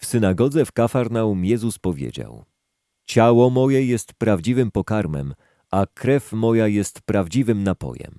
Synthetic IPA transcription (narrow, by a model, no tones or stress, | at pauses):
fsɘnaɡɔd̪zɛfkafaɾnaumjɛzuspɔvʲjḛd͡ʑa̰w | t͡ɕawɔmɔjɛjɛst̪pɾavd͡ʑivɘmpɔkaɾmɛ̰m | ʔakɾɛfmɔjajɛst̪pɾavd͡ʑivɘmnapɔ̰jɛ̰m